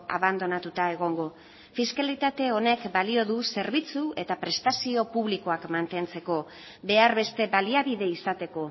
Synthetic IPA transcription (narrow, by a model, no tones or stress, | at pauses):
a̰βand̪o̞nat̪ut̪ae̞ɣ̞o̞ŋɡo̞ | fiskalit̪at̪e̞o̞ne̞kbalio̞ðuse̞ɾβit͡sue̞t̪apɾe̞st̪asio̞puβliko̞akmant̪e̞nt͡se̞ko̞ | be̞aɾβe̞st̪e̞baliaβiðe̞isat̪e̞ko̞